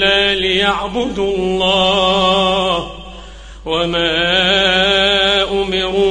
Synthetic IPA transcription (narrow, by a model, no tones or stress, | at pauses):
aːlɪjaʕbʊd̪lˤːɑː | h | wamaː | ʔʊmɪɾuː